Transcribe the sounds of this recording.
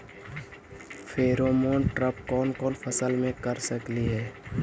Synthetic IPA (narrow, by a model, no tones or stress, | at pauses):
fʰeːɾoːmoːnʈɾəp̚kɔːnkɔːnpʰəsəlmẽkəɾsəkliɦɛː